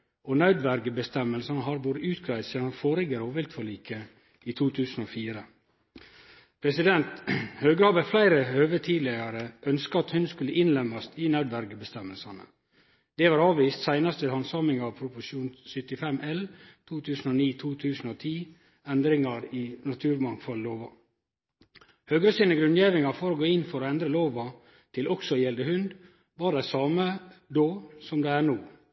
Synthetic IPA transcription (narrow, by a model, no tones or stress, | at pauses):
onɑʉd̪ʋæɾɡəbəst̪ɛmːəlsɑnəɦɑɾʋoːɾəʔʉːt̪ɡɾæɪsiːd̪ɑnfoːɾɪɡəɾoːʋɪlt̪fɔɭiːkʰə | iːt̪ʰuːt̪ʰʉːsn̩oːfiːɾə | pʰɾɛsɪd̪ɛnt̪høːɡɾɑːʋəflæɪɾəøːʋət̪ʰiːlɪɑɾəʔœnskəɑt̪hʉnskʉlːəʔɪnlɛmɑst̪iːnɑʉd̪ʋæɾɡəbəst̪ɛmːəlsɑnə̰ | d̪̥ɛʋɑːɾɑːʋʋiːst̪sæɪnɑst̪ʋɪhɑnsɑːmɪŋɑʋpʰɾʊpʊʂuːnsʏt̪ɪfɛmʔɛlt̪ʰuːt̪ʰʉːsn̩oniːt̪ʰuːt̪ʰʉːsn̩oːt̪ʰiː | ɛnd̪ɾɪŋɑɾɪːnɑt̪ʰʉːɾmɑŋfɔlloːʋɑ | høːɡɾəsiːnəɡɾʉnjeːʋɪŋɑfɔɾoːɡoːɪnfɔɾoːɛnd̪ɾəloːʋɑ | t̪ʰɪlʔɔksɔjɛld̪əɦʉnd̪ | ʋɑːɖæɪsɑːməd̪oːsɔmd̪ɛæɳuː